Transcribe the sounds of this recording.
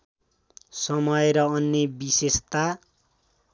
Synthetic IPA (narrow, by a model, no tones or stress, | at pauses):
sʌmʌjɾʌʌnːebisest̪a